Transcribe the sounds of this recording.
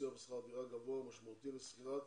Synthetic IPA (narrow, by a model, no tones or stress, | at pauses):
jabesχabiʁaɡavoamaʃmaut̪ilesχiʁat̪